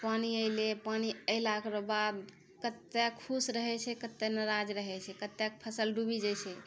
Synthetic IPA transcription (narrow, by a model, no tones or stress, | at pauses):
paniəlepaniəɪlakɾobad̪ | kət̪ːekʰusɾəɦɛt͡ʃʰɛkət̪ːenəɾad͡ʒɾəɦɛt͡ʃʰɛkət̪ːjak̚pʰəsəlɖubid͡ʒat͡ʃʰɛ